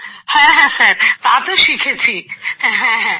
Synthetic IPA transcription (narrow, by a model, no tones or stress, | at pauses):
hɛ̃ɦɛ̃sɐɾt̪aːt̪oʃiːkʰet͡ʃʰihɛ̃ɦɛ̃ɦɛ̃